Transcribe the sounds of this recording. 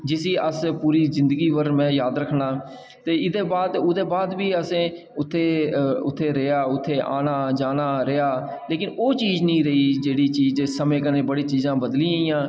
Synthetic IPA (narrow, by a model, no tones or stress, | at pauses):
d͡ʒɪsiːəspuːɾiːzɪ̃nd̪əɡiːʋəɾmɛ̃ːjaːd̪ɾəkʰːɳaː | t̪eːɪd̪eːbaːd̪ʊd̪eːbaːd̪ʋiːəsẽː | ʊt̪ʰːeːʊ̰t̪ʰːeːɾeaːʊt̪ʰːeːʔaːnaːd͡ʒaːnaːɾɪaː | leːkɪnoːt͡ʃiːznĩːɾəiːd͡ʒeːɽiːt͡ʃiːd͡ʒsəmẽːkəneːbəɽiːt͡ʃiːzãːbəd̪lĩːəĩːãː